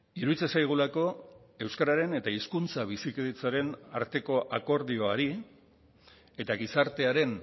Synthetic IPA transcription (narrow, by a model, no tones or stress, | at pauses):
iɾuðit͡sesajɣ̞ulako̞ | e̞wskaɾaɾe̞ne̞t̪aiskunt͡saβ̞isikiðet͡saɾe̞na̰ɾt̪e̞ko̞ʔako̞ɾðio̞aɾi | e̞t̪aɣ̞isaɾt̪e̞aɾe̞n